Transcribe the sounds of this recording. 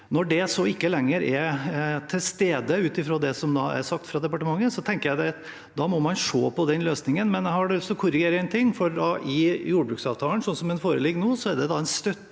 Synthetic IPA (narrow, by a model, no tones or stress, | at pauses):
nɔɖɛsɔɪkːəlɛŋːəɾɛt̪ʰɪlst̪eːd̪əʉːt̪ɪfɾoːd̪ɛsɔmd̪ɑæ̰ɾsɑk̚t̪fɾɑd̪ɛpɑʈəmɑŋːənsɔt̪ʰɛŋkəɾjæɪd̪ɛt̪ | d̪ɑmɔmɑnʂoːpʰɔd̪ɛnløːsnɪŋənmɛnhɑɖɛɔsɔkʰʊɾɪɡeːɾəɛnət̪ʰɪŋːfɔɾd̪ɑʔɪjuːɖəbɾʉːksɑːʋt̪ʰɑːlənsɔnsɔmɛnfoːɾəlɪɡːnuːsɔæɖɛd̪ɑɛnst̪œt̪ː